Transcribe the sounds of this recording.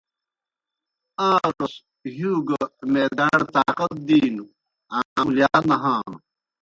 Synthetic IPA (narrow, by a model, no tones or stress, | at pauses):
aːt̪os | ɦuːɡɐmeːd̪aːɽt̪aːqɐt̪̚d̪iːnu | aːmljaːnɐɦaːnu